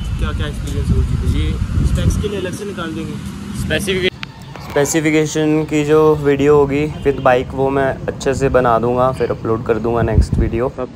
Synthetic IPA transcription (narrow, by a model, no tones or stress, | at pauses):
kjaːkɛːʃkeliesoːespɛːkelielɐksenɪkaːld̪ẽːŋɡeː | spɛːsɪfɪkː | spɛːsɪfɪkeːʃənkid͡ʒoːʋiːɖijoɦoːɡiːfɪd̪baːɪkʋomɛ̃ɐtːʃʰes̬ebɐnaːd̪ũːŋɡafɪɾʔɐploːɖkɐɾd̪ũːŋɡanɛːksʈʋiːɖijoː